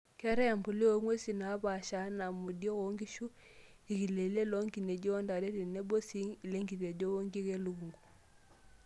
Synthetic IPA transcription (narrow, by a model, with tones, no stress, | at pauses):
kɛ˦ɾɛ˦˨mbu˨li˦o˦ŋwe˦si˨na˨˦ba˨ʃa˨˦na˨mu˨djɔ˦ko˨˦ŋɡi˦ʃu˦ | i˨ki˨le˨le˦lo˦ŋɡi˨ne˨d͡ʒo˦nda˨ɾe˦ɾi˨ne˦bo˦si˦ŋi˨le˦ŋɡi˨ɾe˨d͡ʒo˦wo˦ŋɡi˦ke˦lu˨ɡu˨ŋɡu˨